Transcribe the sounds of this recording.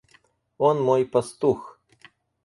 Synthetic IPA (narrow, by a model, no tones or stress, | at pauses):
ɔnmɔjpɐst̪ux